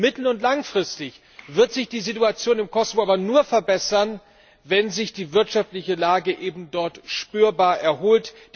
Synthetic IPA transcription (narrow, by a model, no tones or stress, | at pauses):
mɪtl̩ʊntlaŋfʁ̥ɪstɪç | v̥ɪɐtz̥ɪçd̥iːzituat͡sjoːnɪmkʰɔsovoʔaːbɐnuːɐfɛɐbɛsɐn | vɛnzɪçd̥iːvɪɐtʃaftlɪçəlaːɡəʔeːbm̩dɔɐtʃpyːɐbaːɐʔɛɐhoːlt | d̥